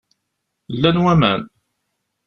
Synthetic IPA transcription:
lːænwæmæ̰n

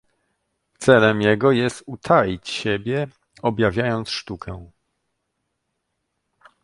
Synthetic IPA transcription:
t̪sɛlɛmjɛɡɔjɛst̪ut̪ʰalʲit͡ɕɕɛbʲjɛ | ɔbʲjavʲjajɔnt̪sʂt̪ukʰɛw̃

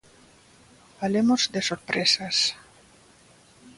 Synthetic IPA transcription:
falemozd̪esoɾpɾesas

